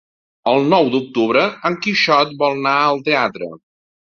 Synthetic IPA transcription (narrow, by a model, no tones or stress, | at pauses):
əlˠnɔwd̪uk̚t̪uβɾəəŋkiʃɔt̪̚bɔlˠnaəlˠt̪eat̪ɾə̰